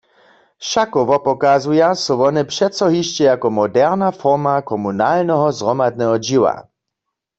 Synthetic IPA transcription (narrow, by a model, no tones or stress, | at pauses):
ʃakɔʋɔpɔkazujasɔʋɔnɛpʃɛt̪sɔɦiʃt͡ɕɛjakɔmɔdɛʁnafɔʁmakɔmunalnɛɦɔzʁɔmad̪̚nɛɦɔd͡ʑiwa̰